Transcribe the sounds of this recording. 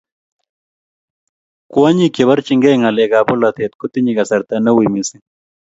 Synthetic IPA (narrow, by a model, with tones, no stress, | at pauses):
ku˦a˦ɲi˦ke˨βɐ˦ɾt͡ʃi˦ŋɡe˦ŋa˨lɛ˨ɡa˨bʊ˦la˨t̪e˨t̪̚kʊ˦t̪ːi˦ɲi˨ɡɐ˨sɐ˨ɾt̪a˦nɐ˦wi˨mi˨si˦